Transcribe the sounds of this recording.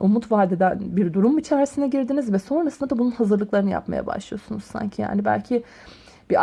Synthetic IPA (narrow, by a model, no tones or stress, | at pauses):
umut̪vaːd̪ed̪ænbiɾd̪uɾumit͡ʃʰæɾsinɛɟiɾd̪inizvɛso̞nɾasɯnd̪ad̪abununhazɯɾlˠɯklˠaɾɯnɯja̰pma̰ja̰ba̰ʃlˠɯjosunuz̥sa̰ɲcʰija̰ːnibæ̰lʲcʰi | b̥ia